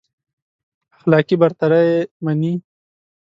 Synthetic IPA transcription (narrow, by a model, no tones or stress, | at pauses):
axlɑkibaɾt̪aɾajemani